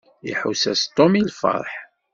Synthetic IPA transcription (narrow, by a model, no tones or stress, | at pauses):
ḭħusæst̪ˤːomilfɑ̰ɾˤħ